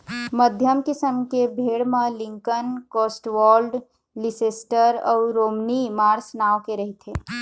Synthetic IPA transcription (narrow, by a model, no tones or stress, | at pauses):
məd̪ʱjəmkɪsəmkebʱeːɽmẽlɪ̃ŋkənkoːsʈʋɔːlɖ | liseːsʈəɾɔ̰ːɾoːmnimaːɾsnaːʋkeɾɐɦit̪ẽː